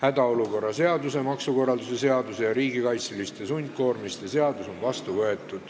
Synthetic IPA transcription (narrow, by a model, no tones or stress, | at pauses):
hæd̪ɑo̞luko̞rːɑse̞ɑd̪use̞mɑksuko̞rːɑld̪use̞se̞ɑd̪use̞jɑɾiːɡikɑjt̪silist̪e̞sunʲt̪̚ko̞ːrmist̪ese̞ɑd̪̥uso̞nvɑst̪uvɤe̞t̪ːˑud̪̥